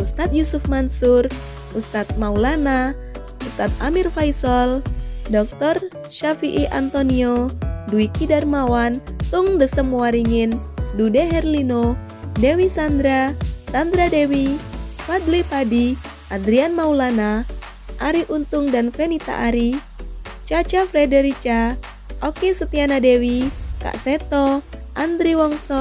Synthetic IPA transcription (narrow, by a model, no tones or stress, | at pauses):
ʔust̪at̪̚jusufmansur | ust̪at̪̚maulana | ust̪at̪̚amirfajsɔldɔk̚t̪ɔr | ʃafiʔiʔa̰nt̪onioduikidarmawant̪uŋdəsəmːuwaɾiŋindudeɦɛrlino | dewisand̪ɾasand̪ɾadewifad̪lipadi | ad̪ɾianmaulana | ʔaɾiʔunt̪uŋdanfenit̪a̰ʔaɾi | t͡ʃat͡ʃafɾɛdɛɾit͡ʃa | ɔkɛsət̪ianadewika̰ʔsɛt̪ɔʔand̪ɾiwɔŋsɔ